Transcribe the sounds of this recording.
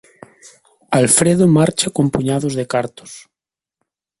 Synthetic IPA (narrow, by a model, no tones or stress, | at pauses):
alfɾeðomaɾt͡ʃakompuɲað̞ozðekaɾt̪o̥s